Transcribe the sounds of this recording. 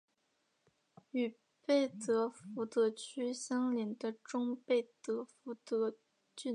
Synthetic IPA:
y˨˩ | pe˥˩ɪt̪ɤ˧˥fu˧˥t̪ɤ˧˥t͡ɕʰy˥ɕjɑ˥ŋli˧˥nd̪ə˧ʈ͡ʂʊ˥ŋpe˥˩ɪt̪ɤ˧˥fu˧˥t̪ɤ˧˥ | t͡ɕy˥˩

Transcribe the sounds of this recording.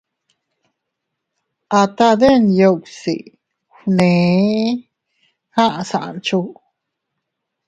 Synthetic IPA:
ʔa˧t̪a˦d̪e˦njo˧ksḭ˨ | xnẽ˨˦ | hã˦ʔã˨sã˨ʔa̰˧˨nt͡ʃu˧

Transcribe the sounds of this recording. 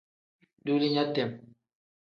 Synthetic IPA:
du˦li˦ɲa˦tɛ˨m

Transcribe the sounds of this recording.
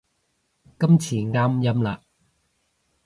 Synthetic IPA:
kɐ˥mt͡sʰiː˨˩ŋaː˥mjɐ˥mlaː˧˨

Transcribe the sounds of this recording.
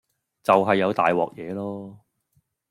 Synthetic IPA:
t͡sɐ˨wɦɐ˨jːɐ˨˧wt̪a̰ː˨jwɔ̰ː˨k̚jɛː˨˧lɔː˥

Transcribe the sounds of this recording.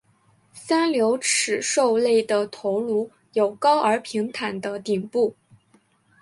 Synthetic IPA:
sa˥nljo˧˥ʊʈ͡ʂʰɻ̩˨˩ʂo˥˧ʊle˥˩ɪd̪ə˩t̪ʰo˧˥ʊlu˧˥ | jo˨˩ʊkɑ˥ʊʔə˞˧˥pʰi˧˥ŋt̪ʰa˨˩nd̪ə˦t̪i˨˩ŋpu˥˩

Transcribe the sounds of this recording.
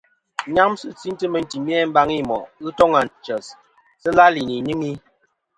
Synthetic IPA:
ɲa˦msɨ˦t͡si˦ntə˦mə˨n̩˨ti˨mjɛ˦m̩˦ba˦ŋi˦˨mɔ˨ʔɨ˦tɔ˦ŋa˨nt͡ʃə˨s | sə˦la˦li˨ni˨ɲɨ˦ŋi˦

